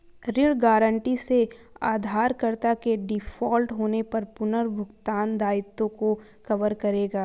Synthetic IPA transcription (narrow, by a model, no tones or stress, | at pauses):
ɾɪɽɡaːɾə̃ɳʈise | aːd̪ʱaːɾkɐɾt̪akeɖɪfɔːlʈɦoːnepɐɾpʊnəɾbʱʊɡt̪aːnd̪aːɪt̪ːõko | xɐʋəɾkɐɾeːɡaː